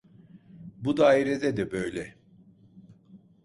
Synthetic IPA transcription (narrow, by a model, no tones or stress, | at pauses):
bud̪aːiɾed̪ɛd̪ɛbø̞jlʲɛ